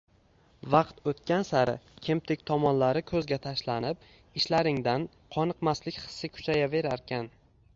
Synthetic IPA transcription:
vɑqt̪ot̪kʲansaɾɪ̰kʲʰɪmt̪ʰɪk̚ʲt̪ʰɒmɒnlaɾɪkʰɵzɡʲat̪ʰaʃlanɪp̚ | ɪʃlaɾɪŋd̪an | qʰɒnɨqmaslɪkʲχɨ̥sːɪkʲʰʊ̥t͡ʃʰajave̞ɾaɾkʲʰan

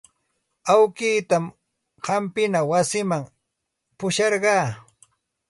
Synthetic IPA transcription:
awkiːt̪am | ɢɑmpɪnawasɪmaŋ | pʊʃɑɾɢɑː

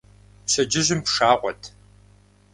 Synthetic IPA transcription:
pɕɐd͡ʒɪʑɨmpʂaːʁʷɔ̰tʰ

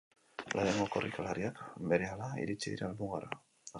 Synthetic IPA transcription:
lʔaðeŋɡokorʔikalaɾiakbe̞ɾealaḭɾit͡ʃiðiɾalmuɣaɾa

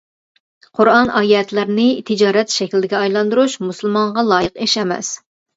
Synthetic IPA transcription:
qʰʊɾɑnʔɑːjɛɛt̪ʰlæɾnɪt̪ʰid͡ʒɑːɾɛt̪ʃɛkʲlɪd̪ɪɡʲɛɑjlˠɑnd̪uɾuʃmusɨlˠmɑɴʁɑlˠɑːjəqeʃɛmɛ̰s

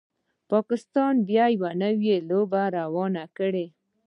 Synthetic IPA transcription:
pɑkɪst̪ɑnbjɑjwanəwjelobaɾawɑnakəɽe

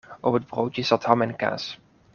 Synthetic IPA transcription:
ʔɔpəd̚browtjəsɑthɑmɛnka̰ːs

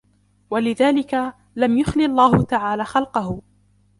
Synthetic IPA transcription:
walɪðaːlɪka | lamjʊxlɪɑlˤːaːhʊt̪aʕaːlaːxɑlqɑhʊ

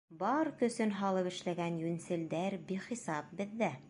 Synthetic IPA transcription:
bɑɾkɵ̆sɘnɦɑlˠɤpɘ̆ʃlæɡænjʉnsɘ̆ld̪æɾbiχisɑp̚bɘ̆ðːæ

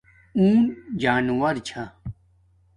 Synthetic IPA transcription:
uːnd͡ʑaːnwɐɾt͡ɕʰa

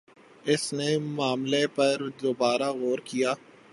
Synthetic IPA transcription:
ɪsnemaːmlepɐɾd̪oːbaːɾaɣoːɾkijaː

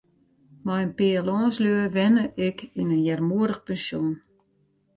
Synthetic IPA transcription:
majnpiəlɔːsljøəʋɛnəʔɪkinənjɛrmuəɾəxpɛnsjun

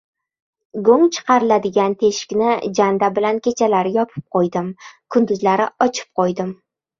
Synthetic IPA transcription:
ɡoŋt͡ʃʰɨ̥qɑɾɪlad̪ɪɡʲant̪ʰe̞ʃɪ̥kʲnɪd͡ʒand̪abɪlankʲe̞t͡ʃʰalaɾɪjɒpʰɪ̥p̚qʰojd̪ɪmkʰʊnd̪ʊzlaɾɪɒt͡ʃʰɪ̥p̚qʰojd̪ɪm

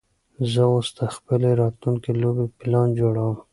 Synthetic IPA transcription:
zəwʊst̪axbɪleɾɑt̪luŋkelobepɪlɑnd͡ʒoɽawəm

